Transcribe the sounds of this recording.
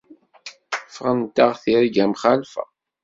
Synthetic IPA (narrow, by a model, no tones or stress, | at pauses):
fʁənt̪ːaʁθiɾiɡæmχalfæ̰